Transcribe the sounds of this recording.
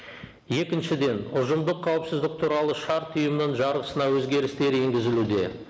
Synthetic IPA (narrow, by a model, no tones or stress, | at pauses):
je̞kʲɪnʃɪd̪e̞nʊʒəmd̪əqʰːɑwəpsɪzd̪ɪk̚t̪ʰuɾɑlˠəʃɑɾt̪ʰʊjəmnəɴʒɑɾʁəsənɑwɵzɡʲe̞ɾɪst̪e̞ɾe̞ŋɡʲɪzɪlud̪e̞̰